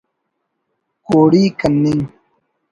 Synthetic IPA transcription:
koːɽiːkɐnːiŋ

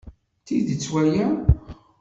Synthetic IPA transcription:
θiðət͡sːwæjæ

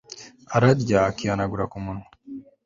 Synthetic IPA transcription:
aɾadɟakijanaɡuɾakumunwa

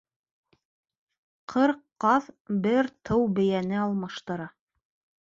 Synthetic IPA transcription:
qʰɤɾqːɑðbɘɾt̪ʰɤwbɘ̆jænɘɑlˠmɑʃt̪ɤ̆ɾɑ

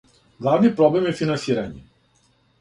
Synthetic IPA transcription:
ɡlˠavnipɾɔblɛmjɛfinansiɾaɲɛ

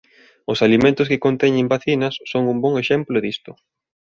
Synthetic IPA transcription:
ʊsalimẽnt̪ʊskɪkont̪ɛɲɪmbaθinɐsːoŋumbɔŋeʃɛmplʊðist̪ʊ

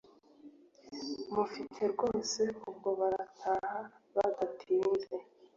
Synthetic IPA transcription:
mufitʰe̞ɾɡo̞ːse̞ub̚ɡo̞βaɾatʰaːha | βadatʰiːnze̞

